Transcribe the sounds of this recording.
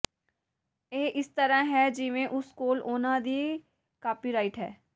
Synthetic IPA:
eːʔɪst̪ɐɾaɦɛd͡ʒɪʋẽʔʊskoːloːnad̪iː | kaːpiɾaːɪʈɦɛ̰ː

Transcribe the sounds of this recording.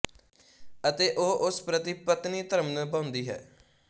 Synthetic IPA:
ət̪eːʔoːʔʊspɾət̪ipət̪niːt̪əɾəmnəbãʊ̃nd̪iːɦɛ̰ː

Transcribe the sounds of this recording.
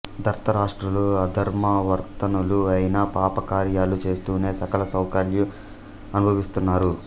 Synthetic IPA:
d̪ʱɐɾt̪ɐɾaːʂʈɾɐluɐd̪ʱɐɾmɐʋɐɾt̪ɐnuluɐjinaːpaːpɐkaːɾjaːlut͡ʃe̞ːst̪uːne̞ːsɐkɐlɐsɐwkɐɾju | ɐnubʱɐʋist̪unːaːɾu

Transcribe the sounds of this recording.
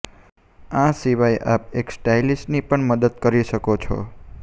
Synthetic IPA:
ãsiʋajʔap̚eksʈailisʈnipəɳməd̪əd̪̚kəɾiʃəkot͡ʃʰo̰

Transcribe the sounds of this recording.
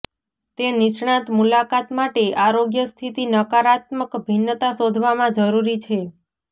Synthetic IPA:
t̪enɪʃɳ̃ãt̪mulakat̪maʈeʔaɾoɡjəst̪ʰit̪inəkaɾat̪məkbʱinːət̪asod̪ʱʋamãd͡ʒəɾuɾit͡ʃʰe

